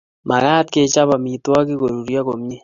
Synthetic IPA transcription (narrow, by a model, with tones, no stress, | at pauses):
ma˨ka˦t̪̚ke˦t͡ʃa˦βa˨mi˨twa˦kɪ˦ko˨ɾu˨ɾja˦ko˨mɲe˦